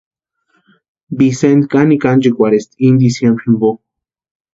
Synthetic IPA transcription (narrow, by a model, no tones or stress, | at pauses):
bisend̪kanikand͡ʒikʷaɾest̪ind̪isjembɾimbo